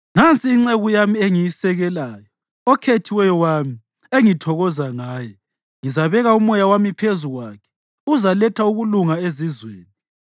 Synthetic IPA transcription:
ŋant͡sʼiːŋ͡ǀeɣujamieŋijisɛɣɛlaːjɔ | ɔkʰetʰiwɛjɔwami | eŋitʰɔɣɔzaŋaːjɛ | ŋizaβɛɣaumɔjawamipʰezuɣwakʰɛ̥ | uzalɛtʰauɣuluŋaezizweːni

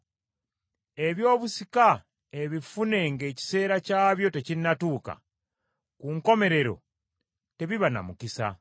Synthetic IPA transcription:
e̞βjo̞ːβusika | e̞βifune̞ŋɡe̞ːci̥se̞ːɾacaːβjo̞te̞cinːatuːka̰ | kuŋko̞me̞ɾe̞ɾo̞̰ | te̞βiβana̰mukisa̰

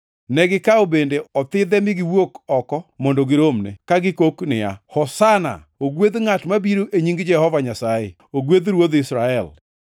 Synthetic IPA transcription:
nɛɡɪkaobendeɔt̪ɪd̪ɛmɪɡɪwokɔkɔmɔndoɡɪɾomnḛkaɡɪkoknɪ̰a̰hɔsana̰ | oɡwed̪ŋatmabiɾoʔeɲiŋɡd͡ʒɛhɔvaɲasajḛ | oɡwed̪ɾwod̪ɪsɾaɛl

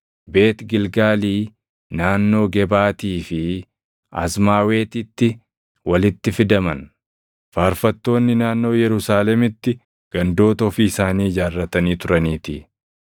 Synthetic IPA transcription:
be̞ːt̪ɡɪlɡaːliː | naːnːo̞ːɡɛbaːt̪iːfɪ | ɐ̰smaːwe̞ːt̪ɪt̪ːɪ | wɐlɪt̪ːɪfɪd̪ɐmɐn | faːɾfɐt̪ːo̞ːnːɪnaːnːo̞ːjɛɾʊsaːlɛmɪt̪ːɪ | ɡ̥ɐnd̪o̞ːt̪ɐɔfiːɪsaːniːd͡ʒaːrːɐt̪ɐniːt̪ʊɾɐniːt̪ɪ

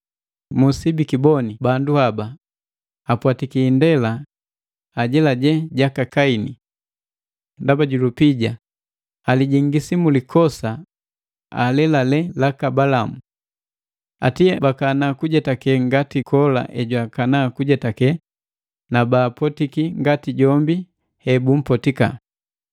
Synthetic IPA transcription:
musibikibɔnibanduhabaː | pwatikiːndɛla | aɟɛlaɟɛɟakakaini | ndabaɟulupiɟa | aliɟiŋɡisimulikɔsa | a̰lɛlalɛlakabalamu | a̰tiɛbakanakuɟɛtakɛŋɡatikʰɔla̰ʔɛɟwakanakuɟɛtakɛ | nabaːpɔtikiŋɡatiɟɔmbi | hɛbum̩pɔtika̰

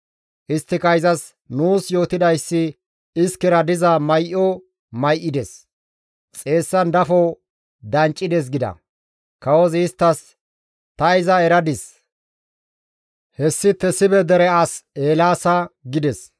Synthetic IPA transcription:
ʔɪst̪ːɪkɐjɪzɐs | nuːsjo̞ːt̪ɪd̪ɐjsːɪ | ɪskɛɾɐd̪ɪzɐmɐjʔɔ | mɐjʔɪd̪ɛs | t͡sʼe̞ːsːɐnd̪ɐfɔ | d̪ɐnt͡ʃʼːɪd̪ɛs̬ɡɪd̪ɐ̰ | kɐwɔzɪːst̪ːɐs | t̪ɐɪzɐɛɾɐd̪ɪs | hɛsːɪt̪ːɛsɪbɛd̪ɛɾɛɐseːlaːsɐɡɪd̪ɛs

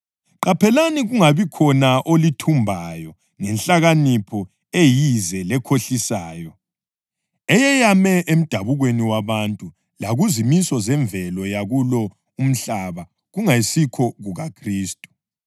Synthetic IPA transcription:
ǃapʰɛlaniɣuŋaβikʰɔnaʔolitʰumbʱajɔ | ŋɛnɬʼaɣanipʰɔ | ejizɛlɛkʰoɬisaːjɔ | ɛjɛjamɛʔem̩d̥ʱaβuɣweniwaβantʼu | laɣuzimisɔzɛɱvʱɛlɔjaɣulɔ | um̩ɬaβa | ɣuŋaisikʰɔɣuɣakʰriːstʼu̥

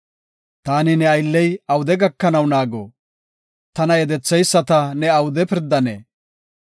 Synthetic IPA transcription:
t̪aːnɪnɛɐjlːɛjɐwʊd̪ɛɡɐkːɐnɐwnaːɡɔ̰ | t̪ɐnɐjɛd̪ɛt͡sːɛjsːɐt̪ɐnɛɐwʊd̪ɛpɪɾd̪ːɐnḛː

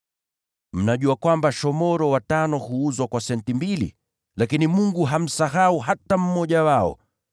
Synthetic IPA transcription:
m̩naʄuakwambaʃɔmɔɾɔwatanɔhuuzwakwasɛntimbilḭ | lakinimuŋɡuɦam̩saɦauɦatam̩mɔʄawaɔ̰

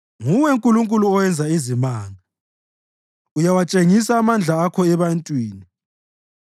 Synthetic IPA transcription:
ŋuwɛŋkʼuluŋkʼuluɔwɛnd͡zʱaizimaːŋa | ujawat͡ʃʼeŋis̬aːmand͡ɮʱaːkʰɔɛβantʼwiːni

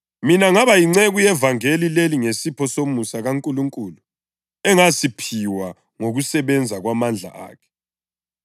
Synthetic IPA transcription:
minaŋaβajiŋ͡ǀɛɣujɛvaŋelileliŋesipʰɔsomusaɣaŋkʼuluŋkʼuːlu | ɛŋasipʰiwa | ŋoɣusɛβɛnd͡zʱaɣwamand͡ɮʱa̰ʔa̰ːkʰɛ̥

